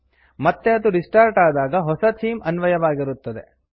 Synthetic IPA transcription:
mɐt̪ːeɐd̪uɾisʈaːɾʈaːd̪aːɡɐɦɔsɐt̪ʰiːmɐnʋɐjɐʋaːɡiɾut̪ːɐd̪e̞̰

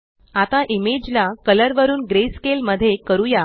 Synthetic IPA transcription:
at̪aʔimed͡ʑlakələɾʋəɾuːnɡɾeskelməd̪ʱːjekəɾuja

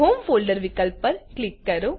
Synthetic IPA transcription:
ɦoːmfoːlɖɐɾʋɪkːɐlpːɐɾklɪkːɐɾu

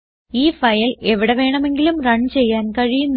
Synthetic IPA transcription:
iːfɐjɐle̞ʋiɽeʋe̞ːɳɐme̞ŋɡilumrɐɳt͡ɕe̞jːaːnkɐɻijunː

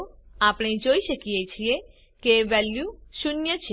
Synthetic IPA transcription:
apɽ̃ed͡ʒoiʃəkijet͡ʃʰie | keʋɛljuʃunjət͡ʃʰe

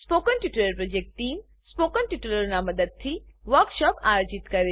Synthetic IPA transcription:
spoːkənʈiʈuləɾpɾod͡ʒek̚ʈʈiːm | spoːkənʈiʈuləɾnamɐd̪əd̪̚t̪ʰiːʋəɾkʃɔːpajod͡ʒit̪kɐɾe

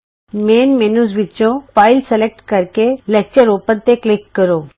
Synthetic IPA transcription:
meːnmenusʋit͡ɕõfaɪlselek̚ʈkəɾkelek̚t͡ʃəɾopənt̪eklikːəɾoː

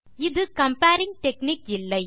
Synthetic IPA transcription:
ɪðɯkɐmpaːɾɪŋɡ̚ʈɛkniːkɪlːɐɪ

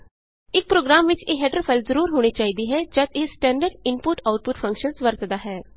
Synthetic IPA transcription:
ɪk̚pɾoːɡɾaːmʋɪt͡ʃeːɦɛːʈɾofʰalzəɾuːɾɦoːɽ̃et͡ʃaːɦid̪iɦɛd͡ʒɐt̪eːsʈɛ̃ːɳɖəɾɖɪmpʊʈaʊʈ̚pʊʈfʰɐ̃ŋkʃənsʋəɾt̪d̪aːɦɛː

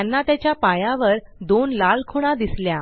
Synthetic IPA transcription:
anːat̪jat͡ɕjapajaʋəɾ | d̪onlalkʰoɽ̃ad̪islja

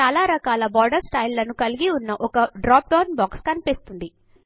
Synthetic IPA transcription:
aːlaːɾɐkaːlɐbaːɾɖɐɾsʈɐjlːɐnukɐliɡiunːɐʔɔkɐɖɾaːp̚ɖɐːnbaːkskɐnipist̪und̪i

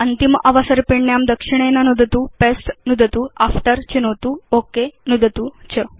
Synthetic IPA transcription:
ənt̪imʔaʋəsəɾpiɳɳjamd̪əkʂiɽ̃enanud̪ʱət̪uːpesʈnud̪ʱət̪uafʈəɾt͡ɕenot̪uokenud̪ʱət̪ut͡ɕʰə

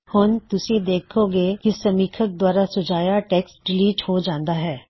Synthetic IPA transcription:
hʊnt̪ʊsĩd̪eːkʰoːɡeːkisɐmiːkʰək̚d̪waːɾasʊd͡ʒaːjaʈɛːksɖɪliːʈhod͡ʒãːnd̪aɦɛː

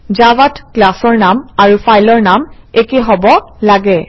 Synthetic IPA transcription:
d͡ʒawatklasɔɹnamaɹufʰajlɔɹnam | ekeɦɔbɔlaɡɛ

